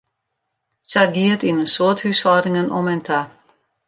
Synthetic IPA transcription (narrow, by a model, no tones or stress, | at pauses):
saɡiətinənsoəthyshɔɾɪŋənʔɔmɛntʰa